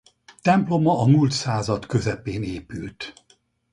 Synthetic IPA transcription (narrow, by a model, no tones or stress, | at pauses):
t̪ɛmplo̞mɒɒmult̪saːzɒt̪kø̞zɛpeːneːpylt̪